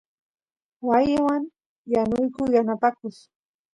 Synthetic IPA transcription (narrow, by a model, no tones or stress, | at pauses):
wajɪwaŋ | janʊjkʊjanapakʊχ